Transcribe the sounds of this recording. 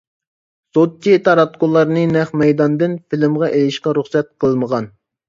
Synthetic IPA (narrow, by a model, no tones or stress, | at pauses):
sot̚t͡ʃːit̪ʰɑɾɑt̪kolˠːɑɾnɨnɛχmɛjd̪ɑnd̪ɨnfilɪmʁɑʔelɪʃqɑɾuχsɛt̪̚qʰəlˠməʁɑn